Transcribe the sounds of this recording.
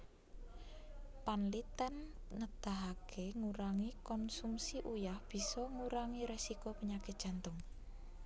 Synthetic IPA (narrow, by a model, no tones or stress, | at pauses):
panlit̪ənːəd̪̥a̤ɦakʰeŋuɾaŋikɔnsumsiʔujahb̥i̤sɔŋuɾaŋiɾesikopəɲakɪdʒ̥a̤nt̪ʊŋ